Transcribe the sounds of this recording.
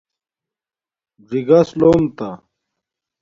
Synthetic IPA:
d͡ʑiɡasloːmt̪a

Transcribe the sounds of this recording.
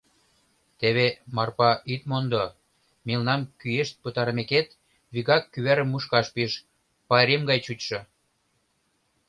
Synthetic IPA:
t̪eβemɑrpɑʔit̪mond̪o | milnɑmkyeʃt̪̚pət̪ɑɾəmeket̪ | βiɣɑkːyβæɾə̆mːuʃkɑʃpiʃ | pɑeɾemɡɑjt͡ɕut͡ɕʃɤ̆

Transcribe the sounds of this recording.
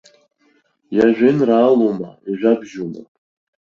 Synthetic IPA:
jaʒʷᶣɪnraːloma̰iʒʷᶣabʒuma̰

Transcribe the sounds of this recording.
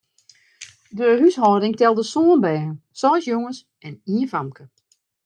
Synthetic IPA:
dəhyshɔdɪŋtɛlˠdəsoːənbɛːɦəsɔːsjoŋəs | ʔɛniənfamkə

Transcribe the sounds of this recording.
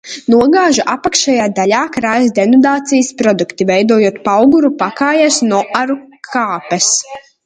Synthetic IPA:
nuɔɡaːʒuʔapakʃajaːd̪alʲaːkɾaːjzd̪ɛnɔd̪aːt̪sijəspɾɔd̪ukt̪ivɛjd̪uɔjuɔt̪pawɡuɾupakaːjasnɔʔaɾukʰaːpɛs

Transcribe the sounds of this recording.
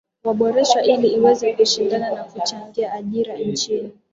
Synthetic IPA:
waɓɔɾɛʃwaʔiliiwɛzɛkuʃindananakut͡ʃaŋɡiaʔːʄiɾant͡ʃini

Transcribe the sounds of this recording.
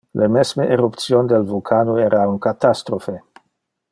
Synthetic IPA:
lʔemesmeʔeɾupt̪sjond̪elvulkʰanueɾauŋkat̪ast̪ɾofe

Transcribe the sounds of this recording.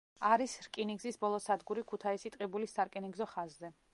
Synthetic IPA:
aɾisɾkʼiniɡzisbɔlˠɔsad̪ɡuɾikʰut̪ʰaisit̪ʼqʼibulisːaɾkʼiniɡzɔχazzɛ

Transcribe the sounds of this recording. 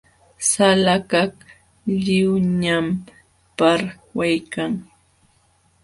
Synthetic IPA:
salakak | ʎɪwɲɲam | paɾwajkaŋ

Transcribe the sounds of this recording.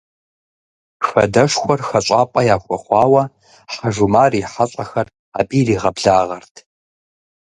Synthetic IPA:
fɐ̰dɐʂxʷɔrxɐɕʷʼɑːpʼɐjaːxʷɔχʷɑːwɐ | ħaʒumaːriːħaɕʼɐxɐr | a̰ːbʼiːriːʁɐbɮaːʁɐrtʰ

